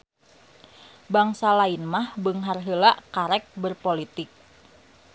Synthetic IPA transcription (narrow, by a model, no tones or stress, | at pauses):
baŋsalainmahbəŋɦarɦəlaʔkaɾɛk̚bərpolit̪ɪk̚